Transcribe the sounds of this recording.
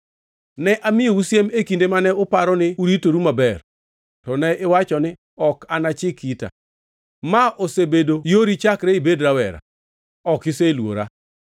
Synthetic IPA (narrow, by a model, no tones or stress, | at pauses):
nɛʔamɪjousjemekindemanɛʊpaɾɔnɪuɾitoɾumabɛr | tɔnɛʔɪwat͡ʃɔnɪ | ɔkanat͡ʃɪkita̰ | maʔosebedojoɾit͡ʃakɾeibedɾawɛ̰ɾa̰ | ɔkɪselwo̰ɾa̰